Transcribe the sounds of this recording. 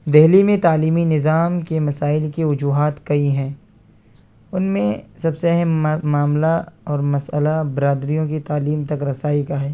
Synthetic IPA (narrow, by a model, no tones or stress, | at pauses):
d̪ɛɦlimẽt̪aːliːminɪzaːmkemɐsaːɪlkeʋɐd͡ʒuːɦaːt̪kɐiɦɛ̃ː | ʊnmẽsɐbseɛɦɛmːaːmlaɔːɾmɐsəlabɪɾaːd̪ɾijõkit̪aːliːmt̪ɐkɾɐsaːikaɦɛː